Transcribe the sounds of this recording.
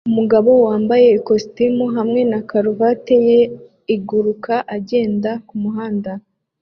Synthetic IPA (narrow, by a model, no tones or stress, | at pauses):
umuɡaβo̞waːmbaje̞ikostimuɦamŋe̞nakaɾuvate̞je | iɡuɾukaʔaɟe̞ːndakumuɦaːnda